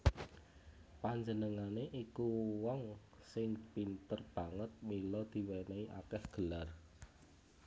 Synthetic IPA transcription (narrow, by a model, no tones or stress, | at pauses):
paɲd͡ʒənəŋaneʔikuwɔŋ | sɪŋpint̪ərb̥ä̤ŋət̪̚milɔd̪̥i̤wɛnɛiʔa̰kɛhɡ̥ə̤lar